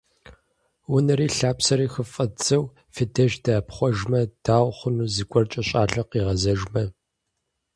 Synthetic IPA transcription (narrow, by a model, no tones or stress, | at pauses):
wʊnɐɾiːɬaːpsɐɾiːxəfʼɐt͡sʰʼɐw | fɨdɐʒdaːpχʷɔʒmɐd̥aːwχʷʊnuːzikʷʼɔrt͡ʃʼɐɕʼaːɮɐqiːʁɐzɐʒmɐ